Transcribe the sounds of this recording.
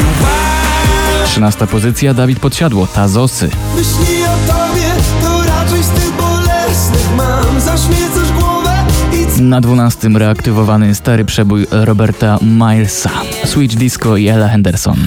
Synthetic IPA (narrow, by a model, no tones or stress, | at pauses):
tʂɨnast̪apɔzɘt̪sʲjad̪avʲit̪̚pɔt̪ɕad̪wɔt̪azɔsɘ̰mɨɕlʲiɔt̪ɔbʲjɛt̪ɔɾat͡ʃɛjst̪ɪbɔlɛsnɪxmamzaɕmʲjɛt̪sɛʐɡwɔvɛinad̪vunast̪ɘmɾɛakt̪ɘvɔvanɘst̪aɾɘpʂɛbujɾɔbɛɾt̪amajlsa | swid͡ʒd̪iskɔiɛlaxɛnd̪ɛɾsɔ̰n